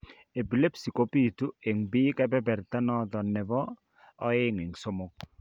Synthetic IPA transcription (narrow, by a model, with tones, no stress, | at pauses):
e˨bi˨le˦psi˨ko˦pi˦˨tu˦e˨ŋbi˦kɛ˦bɛ˦bɛ˨ɾta˦nɔ˦d̪ɔ˨nɛ˨bɔː˦ | e˦ŋɪ˨ŋso˦mo˦k̚